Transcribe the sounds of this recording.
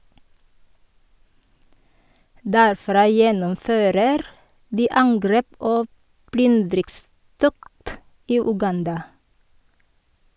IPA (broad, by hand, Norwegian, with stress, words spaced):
dæɾˈfɾɑː ˈjɛnɔmˌføːɾəɾ ˈdiː ˈɑŋɡɾeːp ˈoː ˈplʏndɾɪkˌstɔkt ˈiː ʉˈɡɑndɑ